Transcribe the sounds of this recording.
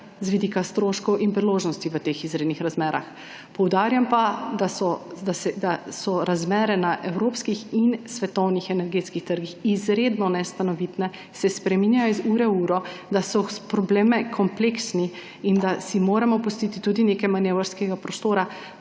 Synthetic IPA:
zʋid̪iːkast̪ɾoʃkɔwʔinpɾiloːʒnɔst̪iʋət̪eːxizɾeːd̪nixɾazmɛːɾa̰x | pɔwd̪aːɾjampad̪asɔd̪asɛd̪asɔɾazmɛːɾɛnaʔɛwɾoːpskixinsʋɛt̪ɔwnixɛnɛɾɡeːt̪skixt̪əɾɡixizɾeːd̪nɔnɛst̪anɔʋit̪nɛ | sɛspɾɛminjajɔzuːɾɛuːɾɔd̪asɔpɾɔbleːmɛkʰɔmpleksni | ind̪asimoːɾɛmɔpust̪it̪it̪uːd̪inekɛmanjeʋəɾskɛɡapɾɔst̪oːɾa

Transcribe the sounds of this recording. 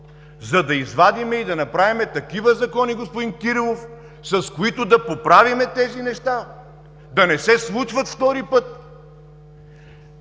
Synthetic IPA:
zɐd̪ɐizvad̪imɛid̪ɐnɐpɾavimɛt̪ɐkivəzɐkɔniɡospʊd̪inkiɾilˠof | sɐskoit̪ʊd̪ɐpopɾavimɛt̪ɛzinɛʃt̪a | d̪ɐnɛsɛslˠut͡ʃvɐt̪ft̪ɔɾipɤt̪̚

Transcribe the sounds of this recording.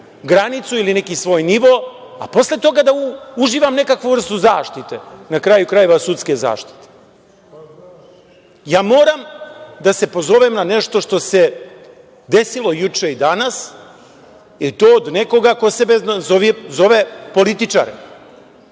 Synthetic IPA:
ɡɾanit̪suilinekisʋo̞ːjniʋo̞ | a̰po̞sle̞t̪o̞ɡad̪auʒiːʋamne̞kakʋuvr̩st̪uzaːʃt̪it̪e̞nakɾajukɾaje̞ʋasut̪ske̞za̰ːʃt̪i̥t̪e̥ | jaːmo̞ːɾamd̪ase̞po̞zo̞ʋemnane̞ʃt̪o̞ʃt̪o̞se̞ | d̪e̞silˠo̞jut͡ʂeid̪anas | it̪o̞ːod̪neko̞ɡako̞sebezoʋizo̞ʋepo̞lit̪it͡ʃa̰ɾḛ

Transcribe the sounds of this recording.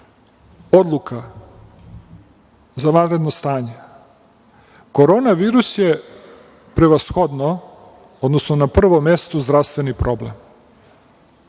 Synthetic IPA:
o̞d̪lˠuka | zaʋanɾe̞d̪nost̪aːɲe | ko̞ɾo̞naʋiːɾusje | pɾe̞ʋasxod̪no | od̪nosnonapr̩ʋomest̪ozd̪ɾaʋst̪ʋe̞nipɾo̞blem

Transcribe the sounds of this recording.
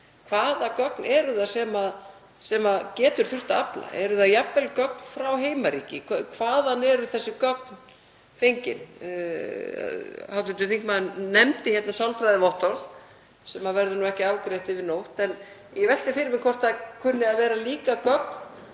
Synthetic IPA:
kʰvaːðakœknʔɛɾʏðasɛmað | sɛmaðcɛːt̪ʏɾ̥θʏr̥t̪aapla̰ʔɛɾʏðajapvɛlkœk̚nfɾawɦeːjmaɾiːcɪkʰvaːðanːɛɾʏθɛsːɪkœk̚n | fejɲcɪ̰n | hawt̪ɪnt̪ʏθiŋkmannɛmt̪ɪçjɛt̪nasawlfɾajðɪvɔht̪ɔɾθ | sɛmavɛɾðʏnuɛhcɪaːwkɾejht̪ɪvɪðnowht̪ɛn | jɛvɛl̥t̪ɪfɪɾɪmɪkʰɔr̥t̪akʰʏnːɪaðvɛːɾaliːkakœk̚n

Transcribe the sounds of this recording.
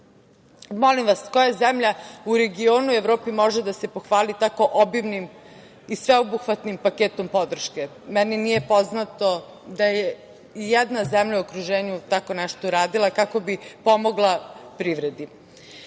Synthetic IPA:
molimʋasko̞jazemʎauɾeɡio̞ːnuevɾoːpimo̞ʒed̪ase̞po̞xʋaːlit̪ako̞ʔobimnim | isʋe̞obuxʋat̪nimpakeːt̪o̞mpo̞d̪r̩ʃke̞mɛninije̞poznat̪o̞ | d̪aje | jɛd̪nazɛmʎauokɾuʒeːɲut̪ako̞nɛʃt̪oɾaːd̪ilˠakako̞bipo̞mo̞ɡlˠapɾiʋɾe̞d̪i

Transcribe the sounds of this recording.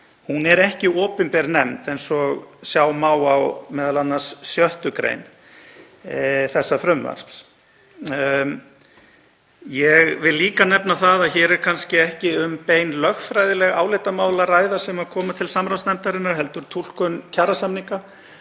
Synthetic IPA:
hunɛɾɛhcɪɔːpʏnpɛɾnɛmt̪ɛjnsɔɣsjaːwmaːwawmɛːðalanːasːjœht̪ʏkɾḛjn | θɛsːafɾʏmva̰ɾ̥sps | jɛɣvɪðliːkanɛpnaθaðaðçɛːɾɛɾkʰanscɪɛhcɪʏmpeːjnlœxfɾajðɪlɛɣa̰ːwlejt̪amaːwlaraːjðasɛmaðkʰɔːmat̪ʰɪlsamɾawsnɛmt̪aɾɪnaɾ̥ɦɛlt̪ʏɾ̥t̪ʰul̥kʏncʰaːrasamniŋka

